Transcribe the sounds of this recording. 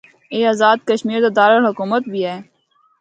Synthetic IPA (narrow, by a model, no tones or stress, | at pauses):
eːaːzaːd̪̚kəʃmiːɾd̪ad̪aːɾəlɦʊkuːmət̪̚bʱiɦɛː